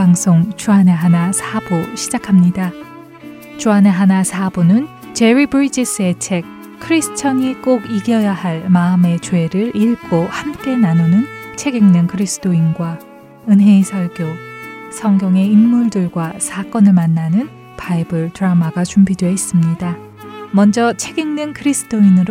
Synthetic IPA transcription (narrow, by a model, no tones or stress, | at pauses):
aŋsʰoŋt͡ɕuɦane̞ɦanasʰaboɕʰid͡ʑakʰamɲida | t͡ɕuane̞ɦanasʰabonɯn | t͡ɕe̞ɾibɯɾid͡ʑis͈ɯe̞t͡ɕʰe̞k̚ʰː | ɯɾisʰɯ̥t͡ɕʰʌɲik͈oɡiɡjʌjahaɭmaɯme̞t͡ɕwe̞ɾɯɾiɭɡ͈ohamk͈e̞nanonɯnt͡ɕʰe̞ɡiŋnɯnkʰɯɾisʰɯ̥t͈ʰoinɡwa | ɯnɦe̞isʰʌɭɡjosʰʌŋɡjʌŋe̞inmuɭdɯɭɡwasʰak͈ʌnɯɭmanːanɯn | paibɯɭtɯɾamaɡat͡ɕumbidweis͈ɯmɲida | mʌnd͡ʑʌt͡ɕʰe̞ɡiŋnɯnkʰɯɾisʰɯ̥t͈ʰoinɯɾ